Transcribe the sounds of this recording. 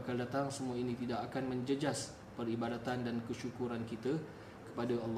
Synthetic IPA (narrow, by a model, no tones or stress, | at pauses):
akaldat̪aŋsəmuainit̪idakakanməɲd͡ʒəd͡ʒas | pəribadat̪andankəʃukuɾankit̪a | kə̥padaɑlː